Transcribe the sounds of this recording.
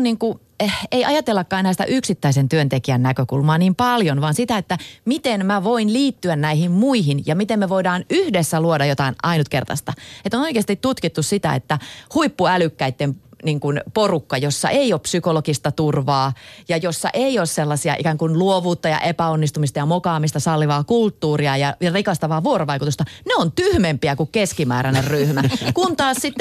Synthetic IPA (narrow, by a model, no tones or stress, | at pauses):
niŋku | eiɑjɑt̪elːɑkːɑːenæːsi̥t̪æ̰ʔyksit̪ːæisent̪yønt̪ekiænnækøkulmɑːniːmpɑljonʋɑnsit̪æet̪ːæmit̪enmæʋoinliːt̪ːyænnæihimmuiɦinjɑmit̪emmeʋoidɑːnyhdesːæluodɑjot̪ɑinɑinut̪kḛrt̪ɑ̰st̪ɑet̪onoikeɑst̪it̪tut̪kit̪ːussit̪æ̰ḛt̪ːæhuipːuælykːæit̪ːemniŋkunporukːɑjosːɑ̰ʔeioːppsykolokist̪ɑt̪urʋɑːjɑjosːɑ̰ʔeioːsselːɑsiɑ̰ʔḭkæːŋkunluoʋuːt̪ːɑjɑ̰ʔepæonːist̪umist̪ɑjɑmokɑːmist̪ɑsɑlːiʋɑːkult̪ːuːriɑjɑjɑrikɑst̪ɑʋɑːʋuoroʋɑikut̪ust̪ɑneont̪yhmempiækukkeskimæ̰ːɾænerryhmækunt̪ɑːssit̪ː